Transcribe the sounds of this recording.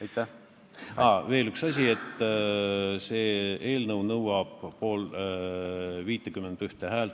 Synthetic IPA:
jt̪ːæ | ɑve̞ːlyksɑsʲie̞t̪ːˑ | seːeːlnɤwnɤwɑb̥po̞ːl | viːt̪ːˑekymːend̪yht̪eɦæːlt̪

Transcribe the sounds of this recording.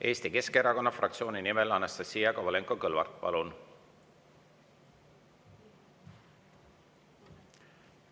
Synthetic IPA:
ʔe̞ːst̪ike̞skeɾɑko̞nːɑfrɑkt̪sio̞ːninimɛlɑnːɑst̪ɑsiːɑkovɑleŋkokɤlvɑ̰rt̪̚ˑpɑ̰lun

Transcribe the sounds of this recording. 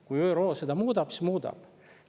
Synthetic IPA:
kujøɾoːsed̪ɑmuːd̪ɑpsismuːd̪ɑ̰b̥

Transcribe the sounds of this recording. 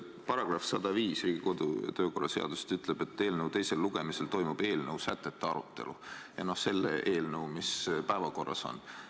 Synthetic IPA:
pɑɾɑɡ̥rɑfsɑd̪ɑviːsriːɡ̥iko̞d̪̥ṵt̪ø̞ːko̞rːɑ̰se̞̰ɑ̰d̪̥use̥t̪yt̪ˑle̞b̥e̞t̪ːeːlnəwt̪e̞jse̞lːuɡ̥e̞mise̞lt̪o̞jmub̥e̞ːlnəwsæt̪ˑːe̞t̪ːeɑɾut̪ˑːe̞̰lujɑno̞hse̞lːḛʔe̞ːlnəwmispæevɑko̞rːɑ̰so̞̰n

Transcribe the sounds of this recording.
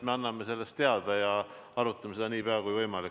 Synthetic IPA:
meɑnːɑmese̞lːest̪e̞ɑd̪̥ɑjɑ | ɑɾut̪ːˑɑmesed̪ɑniːpeɑkujvɤjmɑlik

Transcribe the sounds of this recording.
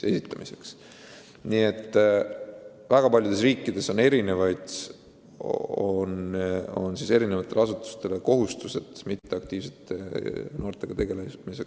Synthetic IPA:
e̞sit̪ːˑɑmise̞̥ks | nie̞t̪ˑː | væɡ̥ɑpɑljud̪̥e̞s̬riːkːˑid̪̥e̞so̞ne̞ɾine̞vɑjd̪̥ | ono̞̰nsise̞ɾine̞vɑt̪ˑːe̞lɑsut̪ːˑu̥st̪e̞leko̞ɦust̪use̞t̪mit̪ːe̞ɑk̚t̪iːv̥set̪ːeno̞ːrt̪ˑe̞ɡ̥ɑt̪e̞ɡ̥e̞lemise̞k

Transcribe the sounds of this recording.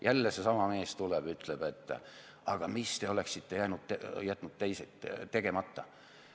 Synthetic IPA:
jʔælːesesɑmɑme̞ːst̪uleb̥yt̪ˑleb̥e̞t̪ːˑ | ɑɡ̥ɑmist̪e̞o̞le̞ksit̪ːe̞jænud̪̥̚t̪jæt̪ːˑnud̪̥̚t̪ejset̪ːt̪ːe̞ɡ̥e̞mɑt̪ːɑ

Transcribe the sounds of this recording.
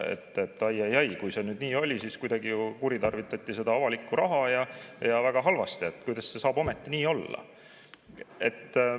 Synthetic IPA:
ḛt̪ːet̪ːˑɑjɑjɑjkujse̞nyːd̪̥niːo̞lʲisiːskujd̪̥ɑɡijukuɾit̪ɑrvit̪ːˑɑt̪ʲːise̞d̪ɑɑvɑlikːuɾʔɑɦɑjɑjɑvæɡ̥ɑɦɑlvɑst̪iet̪kujd̪ɑsse̞sɑːbo̞met̪ːiniːo̞lːɑ̰ | e̞t̪ː

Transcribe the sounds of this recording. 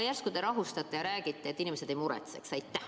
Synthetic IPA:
jærskud̪̥eɾɑɦust̪ɑt̪ːˑejɑɾæːɡ̥it̪ˑːeet̪ːˑinʲimesed̪ejmuɾɛ̰t̪se̞̰ksɑjt̪ːæh

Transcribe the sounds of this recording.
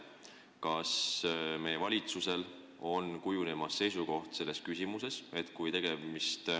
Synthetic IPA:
kɑsme̞jevɑlʲit̪suse̞l | o̞nkujune̞mɑsːe̞jsuko̞ht̪se̞lːe̞skysʲimuse̞se̞t̪kujt̪e̞ɡ̥e̞mist̪

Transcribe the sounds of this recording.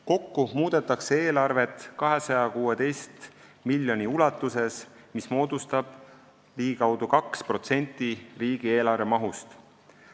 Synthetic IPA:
ko̞kːumuːd̪̥e̞t̪ːˑɑksee̞ːlɑrve̞t̪ˑkɑɦe̞sɑjɑkuːed̪e̞jst̪milːjo̞nʲiulɑt̪ːˑuse̞s | mismo̞ːd̪ust̪ɑb̥ | liːɡikɑwd̪̥ukɑkspro̞t̪se̞nʲt̪ːˑiriːɡ̥ie̞ːlɑrve̞mɑɦust̪

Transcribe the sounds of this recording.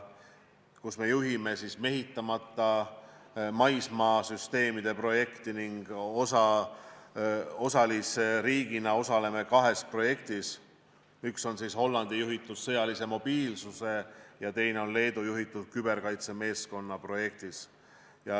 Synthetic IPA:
kusme̞juɦime̞sisme̞ɦit̪ːˑɑmɑt̪ːˑɑ | mɑjsmɑːsyst̪e̞ːmid̪̥e̞pro̞je̞kt̪iniŋɡ̥osɑ | o̞sɑliseɾiːɡinɑo̞sɑle̞me̞kɑɦe̞spro̞je̞kt̪is | ykso̞nsisho̞lːɑnd̪̥ijuɦit̪ːˑud̪̥sɤjɑlise̞mo̞b̥iːlsuse̞jɑt̪e̞jne̞o̞nle̞ːd̪ujuɦit̪ːˑud̪̥̚kybe̞rkɑjt̪se̞me̞ːsko̞nːɑpro̞je̞k̚t̪is | jɑ

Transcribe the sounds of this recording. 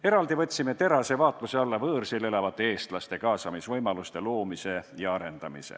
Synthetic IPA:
e̞ɾɑld̪ivɤ̞t̪ʲːsime̞t̪e̞ɾɑse̞vɑːt̪ˑluse̞ɑlːɑvɤːrsilelɑvɑt̪ˑːe̞eːst̪lɑst̪e̞kɑːsɑmisvɤjmɑlust̪e̞loːmise̞jɑɑɾe̞nd̪ɑmḭsḛ

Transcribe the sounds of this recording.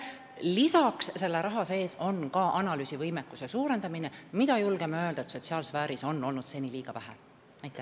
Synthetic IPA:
lisɑksse̞lːeɾʔɑɦɑse̞ːso̞nkɑʔɑnɑlyːsivɤjmekːˑusesuːɾe̞nd̪̥ɑminemid̪̥ɑjulɡemeøld̪ɑet̪so̞t̪siɑːlsvæːɾiso̞nːo̞lnud̪̥se̞nʲiliːɡ̥ɑvæɦḛ | ɑjt̪ːˑæ

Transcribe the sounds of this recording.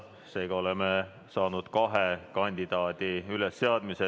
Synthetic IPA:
se̞ːɡ̥ɑo̞leme | sɑːnud̪̥kɑɦekɑnʲd̪̥id̪̥ɑːd̪̥iylesːe̞ɑd̪̥mise

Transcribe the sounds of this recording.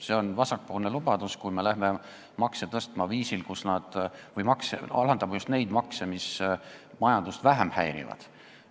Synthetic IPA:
se̞o̞nvɑsɑk̚polne̞lub̥ɑd̪̥uskujme̞læhme | mɑkset̪ɤst̪mɑviːsilkusnɑd̪̥vɤjmɑkseɑ̰lɑnd̪ɑmɑjust̪ne̞jd̪̥mɑksemismɑjɑnd̪̥ust̪væɦemhæjɾḭvɑ̰d̪̥

